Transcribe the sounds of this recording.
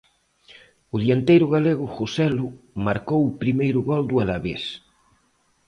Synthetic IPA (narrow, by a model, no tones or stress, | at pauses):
ʊðiant̪ejɾʊɣaleɣʊxosɛlʊ | maɾkowʊpɾimejɾʊɣɔld̪ʊalaβḛs